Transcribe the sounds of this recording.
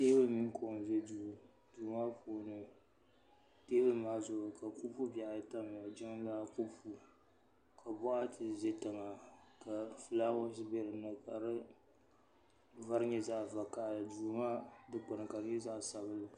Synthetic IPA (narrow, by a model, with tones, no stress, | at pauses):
teː˦bɨ˦mi˦ŋ˦ko˨n˨vɛ˦du˨ | duː˨maː˦pʰoː˦nɨ˨ | teː˦bɨ˦maː˦zʊ˨ʊ˨ka˨kʊ˦bfu˦ba˨ʔjta˦m˨a˨d͡ʒɛ˦ŋ˦laː˦ku˦bfu˦ | kʰa˨bɔ˦ʔa˦tʰɨ˨ze˦tɨ˨ŋa˨ka˨fɨ˨laː˦ɣʊ˦sɪ˦bɛ˦ɾɨ˨nɨ˨ka˨ɾɨ˦ | va˦ɾɨ˦ɲɛ˦za˦ʔva˨ka˦˨lɨ˨du˨maː˦dɨ˦k͡pʊ˨nɨ˨ka˨ɲɛ˦za˦sa˨βɨ˦lɨ˨